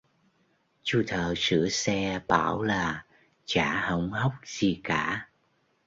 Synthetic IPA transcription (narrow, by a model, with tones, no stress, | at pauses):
t͡ɕu˧˩t̪ʰəː˨˩sɨ̰˧˥əsɛ˧ɓaː˧˩wlaː˨˩ | t͡ɕaː˧˩˦hə˧˩wŋ͡mhə˦˥wk͡p̚z̥i˨˩kaː˧˦